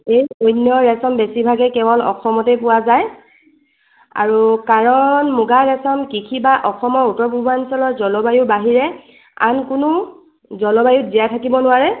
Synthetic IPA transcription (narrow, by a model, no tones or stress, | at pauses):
ejojnjɔɹɛsɔmbesibʱaɡɛkɛbɔlɔ̰xɔmɔtɛpʊwazaj | a̰ɹukaɹɔnmuɡaɹɛsɔmkikʰibaʔɔxʰɔmɔɹutɔpubansɔlɔtzɔlɔbajʊbaɦiɹɛ | a̰nkʊnʊ | zɔlɔbajut̚zijatʰakibɔnʊwaɹɛ